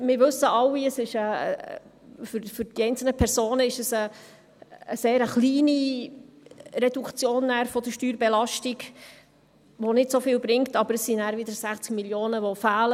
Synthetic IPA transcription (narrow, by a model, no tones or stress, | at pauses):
mɪɾʋɵsəʔɑwiəsɪʃəː | fyɾfʏɾd̥iɛɪnt͡sl̩nəpʰɛɾsoːnəɪʃəsə | əseːɾəχliːni | ɾɛdukt͡sjoːnːæːɾfɔd̥̪əʃtyːɾbɛlɑʃtiɡ | ʋonɪtsofɪːlbɾɪŋtɑbəɾəsːinæːɾʋɪd̪əɾsæχt͡skmiljoːnəʋofæːlə